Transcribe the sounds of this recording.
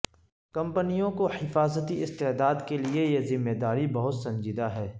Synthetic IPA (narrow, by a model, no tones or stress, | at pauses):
kɐ̃mpənijõkohɪfaːzət̪iɪst̪eːd̪aːd̪keliejezɪmːeːd̪aːɾibɐɦʊt̪sɐ̃ɲd͡ʒid̪aɦɛː